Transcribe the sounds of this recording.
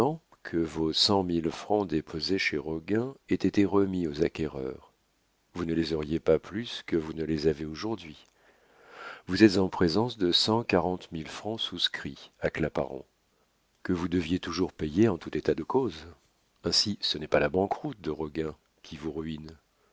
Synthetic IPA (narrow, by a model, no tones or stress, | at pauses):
ɑ̃ | kʰəvosɑ̃milfχɑ̃d̪epʰozeʃeʁɔɡɛ̃ɛt̪et̪eʁəmiozakʲɛʁœ̰ʁ | vunəlezɔʁjepaplyskəvunəlezaveoʒuʁd̪ɥi | vuzɛt̪zɑ̃pχezɑ̃sd̪əsɑ̃kaʁɑ̃t̪milfχɑ̃suskχiaklapa̰ʁɔ̰̃ | kəvud̪əvjet̪uʒuʁpejeɑ̃t̪ut̪et̪ad̪əkoz | ɛ̃sisənɛpalabɑ̃kʁut̪̚d̪əʁɔɡɛ̃ | kʲʰivuʁɥin